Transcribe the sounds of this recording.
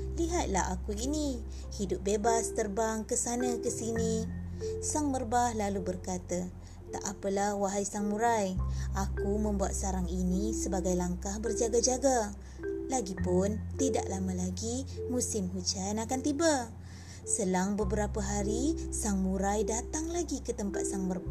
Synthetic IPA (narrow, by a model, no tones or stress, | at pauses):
liɦat̪̚laha̰kuini | hidʊp̚bebast̪ərbaŋkəsanəkəsini | saŋmərbahlalubərkat̪ə | t̪a̰ʔapəlahwaɦajsaŋmuɾajakumə̃mbua̰t̪̚saɾaŋinisəbaɡajlaŋkahbərd͡ʒaɡad͡ʒaɡa | laɡipʊnt̪ida̰ʔlaməlaɡimusɪmɦut͡ʃanakant̪iba | səlaŋbəbəɾapəɦaɾisaŋmuɾajdat̪aŋlaɡikət̪əmpa̰t̪̚saŋmərba